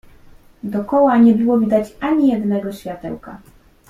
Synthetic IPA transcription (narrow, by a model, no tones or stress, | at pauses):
d̪ɔkɔwaɲɛbɘwɔvʲid̪at͡ɕaɲijɛd̪nɛɡɔɕfʲjat̪ɛ̰wka̰